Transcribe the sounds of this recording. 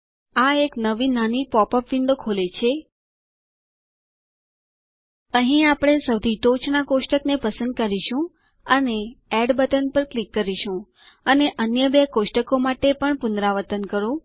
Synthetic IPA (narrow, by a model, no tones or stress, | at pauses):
aeknəʋinanipɔpəpʋiɳɖ̪okʰolet͡ʃʰe | əɦĩapɽ̃esəʋd̪ʱit̪ot͡ʃnakoʃʈəknepəsə̃nd̪̚kəɾiʃũ | əneɛɖbət̪ənpəɾklikːəɾiʃũ | əneʔənjəbekoʃʈəkomaʈepəɳpʊnd̪ɾaʋət̪ənkəɾũ